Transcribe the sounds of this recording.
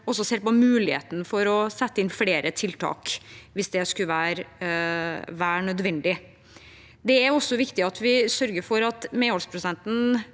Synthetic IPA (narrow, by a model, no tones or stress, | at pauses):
ɔsːɔseːɾpɔmʉːlɪhḛːt̪ənəfɔɾɔsɛt̪ːəɪnfleːɾət̪ʰɪlt̪ʰɑ̰ːkʋɪsd̪ɛskʉəʋæːɾ | ʋæːɾɳœd̪ʋɛnd̪ɪ | d̪ɛæɾɔsːɔʋɪkt̪ɪɑt̪ʰʋɪsœɾɡəɾfɔɾɑt̪meːɔlspʰɾʊsɛnt̪n̩